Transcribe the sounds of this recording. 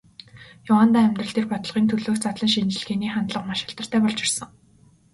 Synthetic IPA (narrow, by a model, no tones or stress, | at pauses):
jʊwaːnt̪aːæmʲt̪rə̆ɬt̪ʰeːrpɔt̪ɞ̆ɮʁiːnt̪ʰɵɮoːkt͡sʰat̪ɮə̆ŋʃinɘ̆ɮɡeːniːχant̪ɮə̆qmaʃɪ̆ɬt̪ə̆r̥t̪ʰæːpɔɮt͡ɕɪ̆rsə̆ŋ